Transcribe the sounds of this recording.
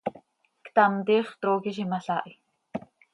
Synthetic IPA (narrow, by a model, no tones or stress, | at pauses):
kt̪ant̪iːχt̪ɾoːkiʃ̬imaɬaːʔi